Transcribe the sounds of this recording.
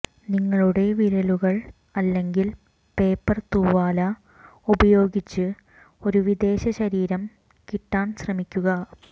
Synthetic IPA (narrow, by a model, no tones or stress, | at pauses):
niŋːɐɭuɽe̞ʋiɾɐluɣɐɭ | ɐlːe̞ŋɡil | pe̞ːpːɐrt̪uːʋaːlɐ | ubɐjo̞ːɡit͡ɕːɨ | o̞ɾuʋid̪e̞ːɕɐɕɐɾiːɾɐm | kiʈːaːnɕrɐmikʲːuɣɐ